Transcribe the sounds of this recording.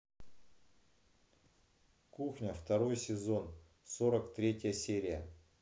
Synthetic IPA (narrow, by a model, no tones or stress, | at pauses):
kuxnʲəft̪ɐɾo̞jsʲɪzo̞n | so̞ɾəkt̪ɾʲetʲjəsʲeɾʲɪjə